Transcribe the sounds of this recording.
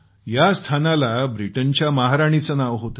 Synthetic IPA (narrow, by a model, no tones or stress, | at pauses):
jast̪ʰanalabɾiʈənt͡ɕjamaɦaɾaɽ̃it͡sənaʋɦot̪ə